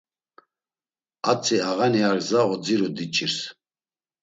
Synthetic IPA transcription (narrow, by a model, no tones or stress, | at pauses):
at͡sʼiaɣaniaɾzaɔd͡ziɾud̪it͡ʃʼiɾs